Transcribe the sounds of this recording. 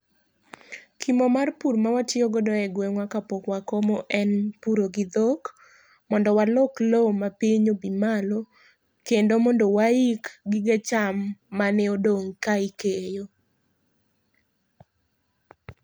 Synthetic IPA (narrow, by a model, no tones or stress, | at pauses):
kʰimomarpuɾmawatɪoɡodɔɛɡweŋwakapokwakomoʔɛnpuɾoɡid̪ok | mɔndɔwalɔklomapiɲobimalo | kendomɔndowaikɡiɡet͡ʃamːaneodoŋkaikejo